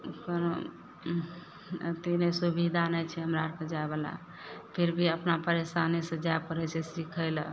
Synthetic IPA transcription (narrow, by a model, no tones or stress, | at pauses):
kəno | t̪inesubid̪ʱanəjt͡ʃʰɛɦəmɾaɾked͡ʒaebela̰ | pʰiɾbʱiəpnapəɾesanisə̃d͡ʒajpəɾət͡ʃʰɛsikʰəjl